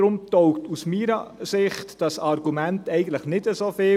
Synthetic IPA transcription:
ɾʊmtɔʊktusmiːɾəsɪχtd̥ɑsɑɾɡumɛntɛɪɡən̩tləχnɪdəsoːfɪ

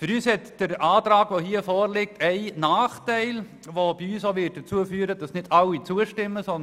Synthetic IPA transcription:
fʏɾyːshɛtd̥əɾʔaːtɾaːɡ̥ʋoːɦiːəfɔːɾlɪk̚tʰɛɪnaːχtæɪl | ʋoːb̥iyːsoʋɪt̚d̥ət͡suəfyːɾəd̥ɑsnɪdɑlːit͡suəʃtɪmːəsɔn

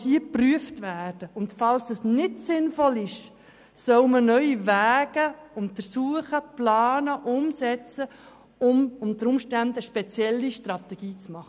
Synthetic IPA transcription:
iəpryəftvæːrd̥əʊndfɑlsəsnɪtsɪnfɔlɪʃ | sœʊmənœʏivæːɡ̥əʊntfəɾsuəχəplɑːnəʔʊmsɛt͡sə | ʊmʊmdəɾʊmʃtændəʃpɛt͡sjɛlːiʃtrɑt̪ɛɡ̥iːt͡smɑχə

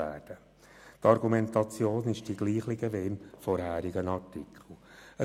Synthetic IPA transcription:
æːɾd̥ə | tɑɾɡumɛntɑt͡sjoːnɪʃd̥iɡliːχlɪɡəveɪmfɔɾhæːɾiɡənɑrtikʰχl̩ə

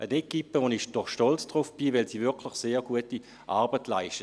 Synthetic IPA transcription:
ʔənekːipəʋonɪʃd̥ɔχʃtɔlt͡sd̥ʁufb̥ivɛlsiːvɪɐkʰlɪχseːɐɡuəti | ʔaɐbətlaɪʃtə

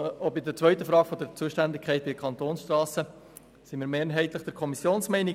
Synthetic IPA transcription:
obɪdət͡sʋœʏtəfɾɑːɡ̥fɔd̪əɾt͡suːəʃtændɪkʰɛɪt̚bɪdəkʰɑnt̪oːnsʃtrɑːsə | simiːɾmeːɾɦɛɪtləχd̥əɾkʰɔmisjoːnsmɛɪnɪ

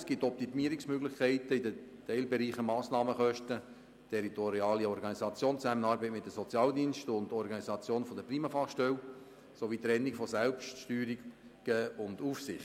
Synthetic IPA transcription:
sɡ̥ɪt̪ːɔp̚t̪imiəɾiksmøɡlɪχkʰɛæɪtəidətɛɪlbɛɾiːχəmɑːsnɑːməχœʃtə | tʰɛɾitɔɾiɑːliɔɾɡɑnisɑt͡sjoːnt͡sæmənɑːɾbɛɪt̚mɪt̚dəsɔt͡sjɑːld̪iːnʃtʊndɔɾɡɑnizɑt͡sjoːnfɔdəpriːməfɑχʃtɛl | soʋiːt̪ɾɛnːikfɔsɛlpʃtʃtyːɾiɡ | ɡ̥əʊnduːfsɪχt

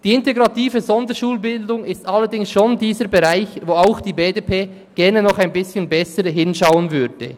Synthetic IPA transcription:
d̥iːɪnteɡɾɑtiːvəzɔndəʃuːlbɪldʊŋɪstalːəɾdɪŋsʃoːndiːzəɾbeʁaɪçvoːaʊxd̥iːbeːdepʰeː | ɡ̥ɛʁnənɔχaɪnbɪsçənbɛsəɾɦɪnʃaʊənvʏɾd̥ə̰

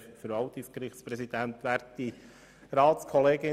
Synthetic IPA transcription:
fəɾʋɑwt̪ɪskɾɪχtspɾɛsid̥̪ænt̪ʋæːɾti | ɾɑːt̪skʰɔleːɡɪ

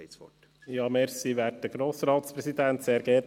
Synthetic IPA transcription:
sfɔ̰ | jɑːmɛɾsiʋæːd̚d̥əɡ̥ɾoːsɾɑːt̪spɾɛsid̪ænt̪seːɾɡ̥ɛː

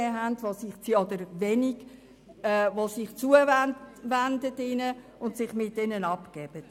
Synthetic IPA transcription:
ɛɦændʋosɪχt͡siɔd̪əɾʋɛniɡ̥ | ɛʋosɪχt͡suəvænʋændətɪnə | ʊntsɪχmɪtːɛnənɑpkɛb̥ət

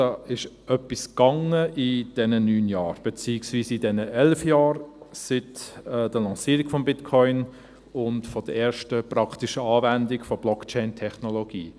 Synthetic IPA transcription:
ɑɪʃ | œpːiskɑŋəʔɪd̥ɛnənyːnjɑːɾb̥et͡siːɪksviːsɪdɛnəʔɛlfjɑːɾsɪtɛd̥əlɑ̃siːɾiɡ̥fɔmbɪtkʰɔʏn | ʊntfɔd̥əɛːɾʃtəprɑktiʃəɑːvændɪɡfɔb̥lɔkt͡ʃɛɪntʰɛχnoloɡiː

